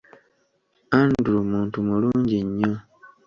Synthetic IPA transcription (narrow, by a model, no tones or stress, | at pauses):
andulomuːntumuluːɲɟiɲːo